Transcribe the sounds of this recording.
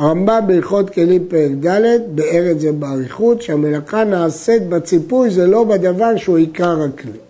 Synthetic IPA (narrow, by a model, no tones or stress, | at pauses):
aʁambambeiχot̪kelimpeld̪alet̪beeʁezebeaʁiχut̪ʃeamelaχanaːset̪̚bat͡sipujzelo̞bed̪avaʁʃeuikaʁakli